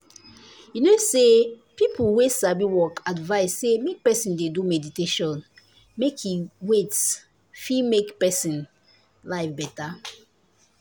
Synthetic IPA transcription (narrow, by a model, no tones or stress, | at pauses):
jinose | pipuwesabiwɔkʰadvaɪsːemek̚pɛsĩndedumɛditeʃɔ̃n | mekʰiwets | fimekpɛsĩn | laɪfbɛta